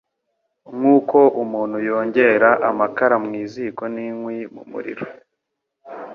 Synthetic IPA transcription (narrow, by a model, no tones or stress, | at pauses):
ŋuːko̞ʔumuːn̥hujo̞ːɲɟe̞ɾaʔamakaɾamŋiːziko̞niŋwimṵmṵɾḭɾo̥